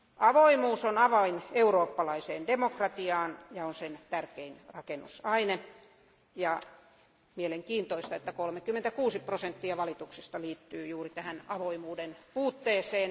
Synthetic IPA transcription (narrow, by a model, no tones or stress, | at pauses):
ʔɑʋoimuːsonɑʋɑineuroːpːɑlɑiseːndemokrɑt̪iɑːnjɑonsent̪ærkeinrɑkenːṵsɑine | jɑ | mieleŋkiːnt̪oist̪ɑet̪ːækolmekymːent̪ækuːsiprosent̪ːiɑʋɑlit̪uksist̪ɑliːt̪ːyːjuːrit̪æhænɑʋoimuːdenpuːt̪ːeːseːn